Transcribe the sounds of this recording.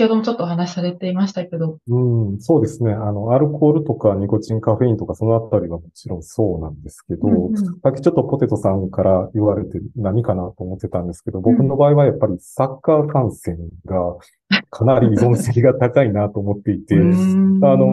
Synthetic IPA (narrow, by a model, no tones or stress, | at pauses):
kʲhod̪omot͡ɕo̞t̪ːoːhanaɕi̥saɾet̪e̞imaɕi̥t̪ake̞d̪o̞ɯ̟̃ɴso̞ːd̪e̞sɨne̞ano̞aɾɯ̟kʰo̞ːɾɯ̟t̪o̞kaɲ̟iko̞ʑĩŋkaɸe̞ĩnt̪o̞kaso̞no̞at̪ːaɾʲiβamo̞t͡ɕiɾõ̞ɰ̃so̞ːnãnd̪e̞sɨ̥ke̞d̪o̞sakʲːi̥t͡ɕo̞t̪ːo̞po̞t̪e̞t̪o̞sãŋkaɾaiβaɾe̞t̪e̞naɲ̟ikanat̪o̞ːmo̞t̪ːe̞t̪ãnd̪e̞sɨ̥ke̞d̪o̞bo̞kɯ̟no̞baːiβajapːaɾʲisakːaːkãɰ̃sẽ̞ŋɡa | kʰanaɾʲizõ̞ɰ̃se̞kʲiɡat̪akainaːt̪o̞ːmo̞t̪ːeit̪eano̞